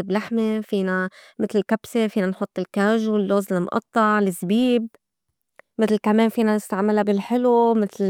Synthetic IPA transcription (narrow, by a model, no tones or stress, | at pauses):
ɪblaħmefiːnamɪt̪lɪlkabsefiːnanħʊt̪ˤːɪlkaːʒulːoːzɪlmʔɑ̰t̪ˤːɑʕlɪzbiːb̚ | mɪt̪lkameːnfiːnanɪst̪aʕmɪlabɪlħɪlumɪt̪l